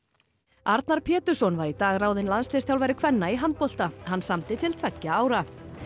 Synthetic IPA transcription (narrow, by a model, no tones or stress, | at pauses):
aɾt̪naɾ̥pʰɛːt̪ʏ̥sɔnvaɾit̪aːɣraːwðɪnlansleːsʰjawlvajɾɪkʰvɛnːaiɦant̪̚pɔl̥t̪ahanːsamt̪ɪt̪ʰɪl̥t̪ʰvɛcːaaːwɾa